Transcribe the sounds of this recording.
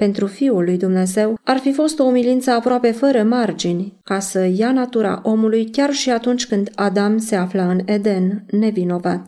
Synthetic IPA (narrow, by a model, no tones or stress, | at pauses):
pe̞nt̪ɾufiulːujd̪umne̞ze̞warfifo̞st̪o̞ːmilint̪səapɾoape̞fəɾəmard͡ʒinʲkasəjanat̪uɾa̰ʔo̞mulujkʲarʃiat̪unt͡ʃʲkɨnd̪ad̪amse̞afləɨne̞d̪e̞nːe̞vino̞vat̪